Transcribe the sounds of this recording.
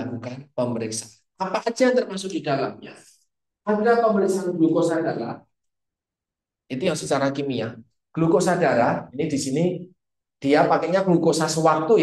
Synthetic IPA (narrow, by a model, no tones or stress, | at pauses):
aɡukanpəməɾiksa | apaːd͡ʒat̪ərmasʊk̚didalamja | adapəməɾiksaanɡlukɔsadaɾa̰ | it̪ujaŋsət͡ʃaɾakimija | ɡ̥lukosadaɾainidisini | d̥iapakɛɲaɡ̥lukosasəwak̚t̪uj